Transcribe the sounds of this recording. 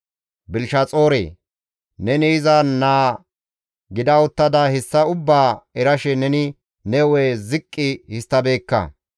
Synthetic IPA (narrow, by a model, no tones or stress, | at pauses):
bɪlʃɐt͡sʼoːɾḛː | nɛnɪɪzɐnaː | ɡɪd̪ɐɔt̪ːɐd̪ɐhɛsːɐʊbːaːɛɾɐʃɛnɛnɪ | nɛweːzɪkʼːɪhɪst̪ːɐbeːkːɐ̰